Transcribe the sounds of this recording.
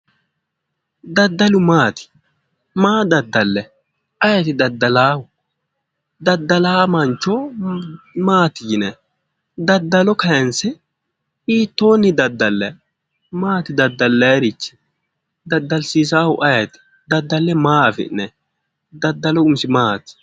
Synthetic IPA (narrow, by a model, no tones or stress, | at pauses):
d̪ɐd̪ːɐlʊmaːt̪ɪ̥ | maːd̪ɐd̪ːɐlːɛ | ʔɐjɐt̪ɪd̪ɐd̪ːɐlaːhʊ | d̪ɐd̪ːɐlaːmɐnt͡ʃːo | maːt̪ɪd͡ʒɪnɛ | d̪ɐd̪ːɐlɔkɐjɐnsɛ | iːt̪ːo̞ːnːɪd̪ɐd̪ːɐlːɛ | maːt̪ɪd̪ɐd̪ːɐlːɛɾɪt͡ʃːɪ̥ | d̪ɐd̪ːɐlsiːs̬aːhʊʔɐjɐt̪ɪ̥ | d̪ɐd̪ːɐlːɛmaːfɪ̰ʔnɛ | d̪ɐd̪ːɐlɔʊmsɪmaːt̪ɪ̥